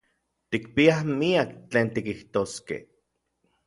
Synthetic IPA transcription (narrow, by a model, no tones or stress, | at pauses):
t̪ik̚piahmiakt͡ɬeːnt̪ikiht̪oːskḛh